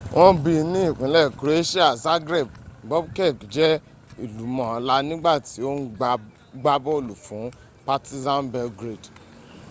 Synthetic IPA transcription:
wʔɔ̃˧bi˧nĩ˦i˦˨k͡pũ˨˦lɛ˦˨kɾe˦ʃi˦a˦˨za˦ɡɾe˦˨b̚ɡ͡bɔ˦bkɛ˦˨kd͡ʒɛ˦ | i˦˨lu˨˦mɔ̃˨˦la˧˦nĩ˦ɡ͡ba˦˨ti˨˦o˦n˦ | ɡ͡ba˦bɔ˦o˦˨lu˨fũ˨˦ | pa˦˧ti˦zã˦nbɛ˧lɡɾe˦˨d

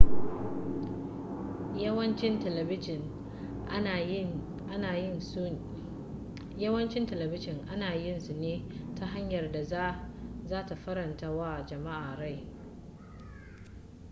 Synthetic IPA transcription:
jɐ˦wɐ˦nt͡ʃɪ˦n˨˦˨n | ʔa˦naː˨jɪ˦n˦ | jɐ˦wɐ˦nt͡ʃɪ˦ntɐ˨lɐ˨bɪ˦ʃɪ˨ŋʔa˦naː˨jɪ˦nsʊ˨neː˦ta˦ɦa˦ɲjɐ˨rda˨ | zaː˦ta˨ɸɐ˦ɾɐ˨ntaː˦waː˦˨d͡ʒɐ˨ma˦ʔaː˨ɾa˦˨j

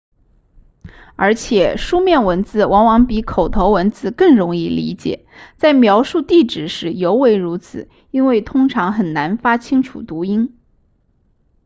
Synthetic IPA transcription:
ə̰˞˧˥t͡ɕʰjɛ˨˩ʂu˥mjɛ˥˩nwə˧˥nt͡sɹ̩˥˩wɑ˧˥ŋwɑ˧˥ŋpi˧˥kʰo˨˩ʊt̪ʰo˧˥ʊwə˧˥nt͡sɹ̩˥˧kɤ˥˩ŋɻʊ˧˥ŋi˥˩lḭ˧˥t͡ɕjɛ̰˨˩˦t͡sa˥˩ɪmjɑ˧˥ʊʂu˥˧t̪i˥˩ʈ͡ʂɻ̩˨˩ʂɻ̩˧˥jo˧˥ʊwe˧˥ɪɻu˧˥t͡sʰɹ̩˨˩˦ | i˥nwe˥˩ɪt̪ʰʊ˥ŋʈ͡ʂʰɑ˧˥ŋxə˨˩nna˧˥nfa˥t͡ɕʰi˥ŋʈ͡ʂʰṵ˨˩t̪u˧˥i˥n

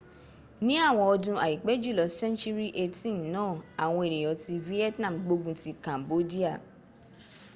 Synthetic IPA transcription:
nĩ˦a˦˨w̃ɔ̃˧ɔ˧dũ˧a̰˨i˨k͡pɛ˨˦d͡ʒu˦˨lɔ˨sɛ̃˦nt͡ʃu˦ɾi˦ʔe˦tĩ˦nnãː˦˨a˨w̃ɔ̃˧e˨ɾe˨jɔ˨˦ti˧vi˦ɛ˦tnã˦˨m̩˨ɡ͡bo˧ɡũ˦ti˧kã˨mbo˦di˦a˦˨

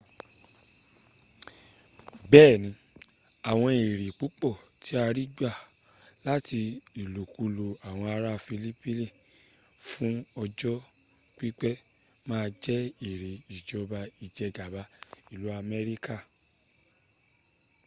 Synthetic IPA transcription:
bɛː˦˨nĩ˧˦ | a˨w̃ɔ̃˧i˨ɾi˨k͡pu˨˦k͡pɔ˦˨ti˨˦a˧ɾi˦ɡ͡ba˦˨la˦ti˧i˨lo˨ku˨˦lo˧a˨w̃ɔ̃˧a˧ɾa˦˨fi˧li˦pi˦li˦˨ | fũ˦ɔ˧d͡ʒɔ˦ | k͡pi˦k͡pɛ˦ | mãː˦˧d͡ʒɛ˦i˨ɾi˨i˨d͡ʒɔ˨˦ba˧i˨d͡ʒɛ˧ɡa˨ba˨˦i˦˨lu˨˦a˧mɛ˦ɾi˦ka˦˨

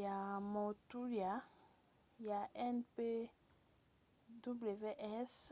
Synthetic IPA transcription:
ja˨mɔ˨tu˦ɾja˨˦ | ja˨ʔɛ˦npe˦ | du˦ble˨ve˦ʔɛ˦s

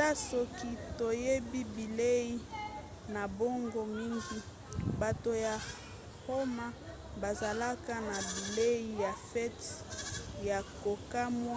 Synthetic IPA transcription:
a˦so˨ki˦to˨je˦bi˦bi˨le˦i˦ | na˨bo˦ŋɡo˦mi˦ŋɡi˦ | ba˨to˨ja˨ | ho˦ma˦ | ba˨za˨la˦ka˦na˨bi˨le˦i˦ja˨fɛ˦t | ja˨ko˨ka˦mwa˦

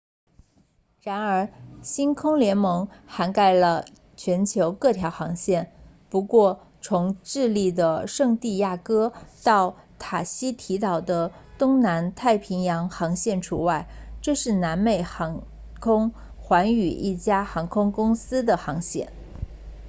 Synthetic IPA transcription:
ɻa˧˥nə˞˧˥ɕi˥nkʰʊ˥ŋljɛ˧˥nmɤ˧˥ŋxa˧˥nka˥˩ɪlə˩ | t͡ɕʰɥɛ˧˥nt͡ɕʰjo˧˥ʊkɤ˥˩t̪ʰjɑ˧˥ʊxɑ˧˥ŋɕjɛ˥˩n | pu˧˥kwɔ˥˩ | t͡sʰʊ˧˥ŋʈ͡ʂɻ̩˥˧li˥˩d̪ə˩ʂɤ˥˧ŋt̪i˥˧ja˥˩kɤ˥t̪ɑ˥˩ʊ | t̪ʰa˨˩ɕi˥t̪ʰi˧˥t̪ɑ˨˩ʊd̪ə˦ | t̪ʊ˥ŋna˧˥nt̪ʰa˥˩ɪpʰi˧˥ŋjɑ˧˥ŋxɑ˧˥ŋɕjɛ˥˩nʈ͡ʂʰu˧˥wa˥˩ɪʈ͡ʂɤ˥˧ʂɻ̩˥˩na˧˥nme˥˩ɪxɑ˧˥ŋ | kʰʊ˥ŋ | xwa˧˥ny˨˩i˥˩t͡ɕja˥xɑ˧˥ŋkʰʊ˥ŋkʊ˥ŋsɹ̩˥d̪ə˨xɑ˧˥ŋɕjɛ̰˥˩n

